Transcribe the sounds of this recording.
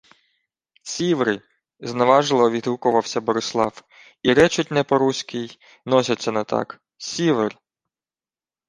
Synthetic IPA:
sʲiʋɾɪ | znɐʋɑʒlˠɔʋʲid̪ɦukʊʋɐwsʲɐbɔɾɪslˠɑw | iɾɛt͡ʃʊtʲnɛpɔɾusʲkʲɪj | nɔsʲɐt͡sʲːɐnɐt̪ɑ̰k | sʲiʋr

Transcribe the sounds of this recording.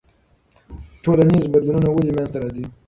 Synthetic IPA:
ʈʰolanizbad̪lununawulimjanzt̪aɾɑzi

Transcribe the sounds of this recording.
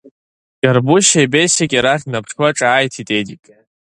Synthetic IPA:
d͡ʒarbuʃajbejsekʲʼiɾaχʲnapʰʂwaʈ͡ʂʼaːjtʰitʼedikʼ

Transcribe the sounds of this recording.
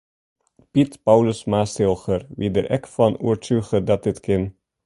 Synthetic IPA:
pitpɑwləsmaːsɪlˠχərʋidəɾʔɛkfɑnuəɹtyχədɑt̚dɪtkɪn

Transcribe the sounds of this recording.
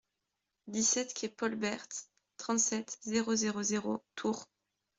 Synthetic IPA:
d̪isɛt̪kʲʰɛpɔlbɛʁt̪ː | χɑ̃t̪sɛt̪zeʁozeʁozeʁot̪ʰuʁ

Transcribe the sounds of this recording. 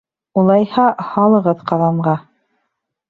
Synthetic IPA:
ulˠɑjhɑhɑlˠɤ̆ʁɤðqɑðɑɴɢɑ

